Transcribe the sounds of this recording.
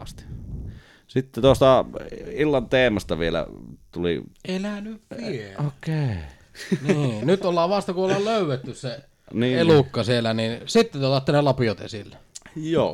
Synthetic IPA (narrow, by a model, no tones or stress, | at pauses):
ɑst̪i̥ | sit̪ːet̪uost̪ɑilːɑnt̪eːmɑst̪ɑʋielæ̰t̪ulḭelænyʋʋieokeˑi | nːnyt̪olːɑːʋʋɑst̪ɑkuolːɑːlløˑywet̪ːysse | niːelukːɑsielæninsit̪ːet̪uot̪ɑt̪ːenelɑpiot̪ḛsilːæjoː